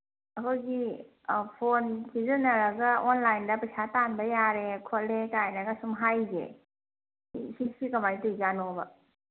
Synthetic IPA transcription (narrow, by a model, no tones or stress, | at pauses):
ɐkʰɯjɡi | pʰonkʰizɐnɐɾɐɡɐonlajndɐpɐsatanbɐjaɾekʰotlekajnaɡɐsumɦajzḛ | isisikɐmajitujzanobɐ